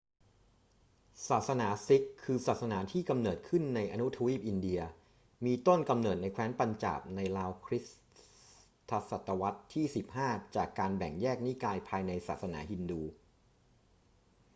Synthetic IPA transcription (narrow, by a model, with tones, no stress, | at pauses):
saː˨˩t̪̚sa˧naː˩˦si˦˥kʰːɯː˧saː˨˩t̪̚sa˧naː˩˦t̪ʰiː˥˩ka˧mnɤː˨˩t̪̚kʰɯ˥˩nːa˧jʔa˧nu˦˥t̪ʰa˧wiː˦˥˩p̚ʔi˧ndi˧ɐ | miː˧t̪o˥˩nka˧mnɤː˨˩t̪̚na˧jkʰwɛː˦˥npa˧nt͡ɕa̰ː˨˩p̚na˧jlaː˧wkʰɾi˦˥s | t̪ʰːa˧sa˨˩t̪ːa˧wa˦˥t̪ʰːiː˥˩si˨˩p̚haː˥˩t͡ɕaː˨˩kːaː˧nbɛ˨˩ŋjɛː˥˩k̚ni˦˥˩kaː˧jpʰaː˧jna˧jsaː˨˩t̪̚sa˧na̰ː˩˦ɦi˧nduː˧